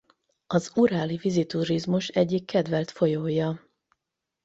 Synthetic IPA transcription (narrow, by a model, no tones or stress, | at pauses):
ɒzuɾaːlivizit̪uɾizmuʃɛɟːikːɛd̪vɛlt̪fo̞joːjɒ